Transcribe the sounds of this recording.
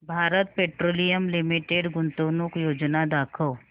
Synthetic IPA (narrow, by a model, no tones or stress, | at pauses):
bʱaːɾət̪̚peʈɾoːlijəmlimiʈeɖɡʊnt̪ənukjoːd͡ʒnad̪akʰəw